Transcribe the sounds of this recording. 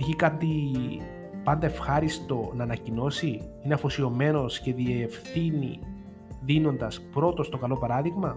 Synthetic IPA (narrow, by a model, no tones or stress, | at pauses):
çikɐt̪i | pɐnd̪ɐefxɐɾist̪o̞nɐːnɐcino̞si | ineɐfosio̞me̞no̞sce̞ðiefθinḭ | ðino̞nd̪ɐspɾo̞t̪o̞st̪okɐlo̞pɐɾɐðiɣmɐ